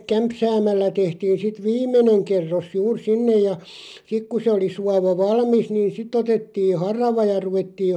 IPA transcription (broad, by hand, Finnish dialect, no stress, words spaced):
kæmpsæːmælːæ tehtiːn̞ sit ʋiːmˑeneŋ kerːos juːr sinːej jɑ sik ku se oli suɑʋɑ ʋɑlmis niːn sitˑ otetːi hɑrɑʋɑ jɑ ruʋetːiː